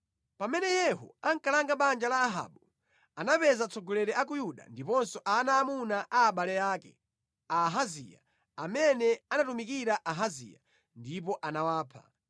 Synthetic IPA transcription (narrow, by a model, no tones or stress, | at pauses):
pamɛnɛjɛɦɔ̰aŋkalaŋɡaɓand͡ʒalaːɦa̰ːɓu | anapɛzat͡sʰɔɡɔlɛɾɛʔak̬ujuɗa̰ndipɔnsɔʔanaːmunaʔaːɓalɛjaːkɛ̰ | aɦazḭja̰ | amɛnɛanatumikiɾaʔaɦazḭːja̰ | ndip̬ɔʔanawaːpʰa̰